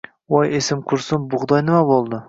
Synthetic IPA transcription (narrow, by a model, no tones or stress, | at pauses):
wojesɪmqʰʊɾsɪnbʊʁd̪ɑjnɪmabolˠd̪ɪ